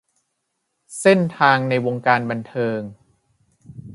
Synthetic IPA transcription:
se˥˩nt̪ʰaː˧ŋna˧jwo˧ŋkaː˧nba˧nt̪ʰɤː˧ŋ

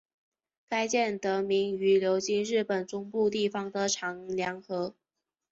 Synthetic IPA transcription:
ka˥ɪt͡ɕjɛ˥˩nt̪ɤ˧˥mi˧˥ŋy˧˥ljo˧˥ʊt͡ɕi˥ŋɻɻ̩˥˩pə˨˩nt͡sʊ˥ŋpu˥˧t̪i˥˩fɑ˩ŋd̪ə˨ʈ͡ʂʰɑ˧˥ŋljɑ˧˥ŋxɤ˧˥

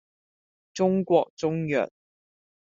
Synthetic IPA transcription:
ʈ͡ʂʊ˥ŋkwɔ˨˩k̚t͡sʊ˥ŋjœ̰˨˩n

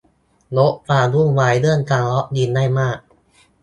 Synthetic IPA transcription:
lo˦˥ʔplaː˧du˥˩əŋwaː˩˦jlɯ˥˩ənkaː˧ŋlɔ˦˥ʔ̚di˧nːa˥˩jmaː˥˩k̚

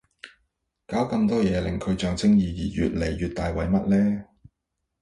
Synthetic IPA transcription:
kaː˨˥wkɐ˧mt̪ɔː˥jɛː˨˧lɪ˨˩ŋkʰɵ˨˧ɥt͡ʃœː˨˧ŋt͡sɪ˥ŋjiː˨˧jiː˨˩jy̰ː˨t̚le˨˩jːyː˨t̪aː˨jwɐ˨˧jmɐ˥t̚lɛː˥

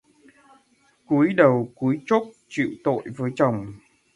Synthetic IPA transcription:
ku˨˦jɗə˨˩wku˨˦əjt͡ɕo˦˥t̚t͡ɕḭ˧˨wt̪o̰˧˨jvəː˨˦jt͡ɕə˨˩wŋ͡m

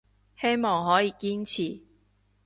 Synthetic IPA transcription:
he˥jmɔː˨˩ŋɦɔː˨˥jiː˨˧kiː˥nt͡sʰiː˨˩

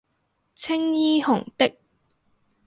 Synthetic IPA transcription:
t͡sʰɪ˥ŋjiː˥hʊ˨˩ŋt̪ɪ˥k̚

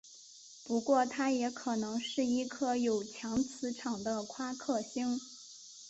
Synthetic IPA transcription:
pu˧˥kwɔ˥˩t̪ʰa˥jɛ˧˥kʰɤ˨˩nɤ˧˥ŋʂɻ̩˥˩i˥˩kʰɤ˥˩jo˨˩ʊt͡ɕʰjɑ˧˥ŋt͡sʰɹ̩˧˥ʈ͡ʂʰɑ˨˩ŋd̪ə˦kʰwa˥kʰɤ˥˩ɕi˥ŋ

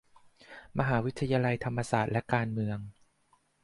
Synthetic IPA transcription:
ma˧ɦaː˩˦wi˦˥t̪ʰːa˧jaː˧la˧jt̪ʰa˧mːa˧saː˨˩t̪̚lɛ˦˥kaː˧nmɯ˧əŋ

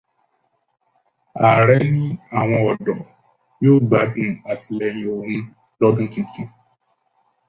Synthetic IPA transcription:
a˨ɾɛ˨˦nĩ˦a˦˨w̃ɔ̃˧ɔ˨dɔ˨ | joː˦˨ɡ͡ba˨˦dũ˦a˨ti˨lɛ˧j̃ĩ˨o˨nũ˦ | lɔ˦dũ˦tĩ˧tĩ˦

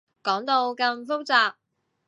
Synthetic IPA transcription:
kɔː˨˥ŋt̪o˧wkɐ˧mfʊ˥k̚t͡saː˧p̚

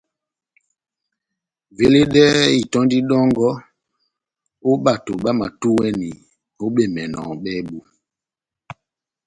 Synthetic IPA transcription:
ve˦le˦ɗɛ˦i˨tɔ˦ndi˦ɗɔ˦ŋɡɔ˦ | o˦ɓa˨to˨ɓa˦ma̰˨tu˦wɛ˦ni˨ | ho˦ɓe˦˨mɛ˨nɔ̰˨ɓɛ˦ɓu˦

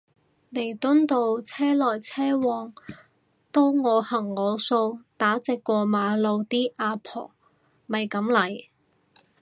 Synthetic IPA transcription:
ne˨˩jt̪ʊ˥nt̪o˧wt͡sʰɛː˥lɔː˨˩jt͡sʰɛː˥wɔː˨˧ŋ | t̪o˥wŋɔː˨˧hɐ˨˩ŋːɔː˨˧so˧wt̪aː˨˥t͡sɪ˨˧kːʷɔː˧maː˨˧lo˧wt̪iː˥ʔaː˧pʰɔ̰ː˨˩ | mɐ˨jkɐ˨˥mlɐ˨˩j

